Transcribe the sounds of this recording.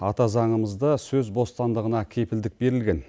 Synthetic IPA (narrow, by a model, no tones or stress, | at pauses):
ɑt̪ɑzɑɴəməzd̪əsɵzbo̞st̪ɑnd̪əʁənɑkʲʰe̞pɪld̪ɪk̚be̞ɾɪlɡʲe̞n